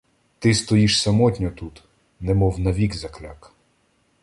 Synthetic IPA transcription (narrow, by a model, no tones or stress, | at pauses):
t̪ɪst̪ɔjiʃsɐmɔtʲnʲɔt̪ut̪ | nɛmɔwnɐʋʲikzɐklʲak